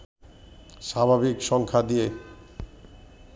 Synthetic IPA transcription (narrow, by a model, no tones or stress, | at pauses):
ʃabʱabikʃɔŋkʰad̪ije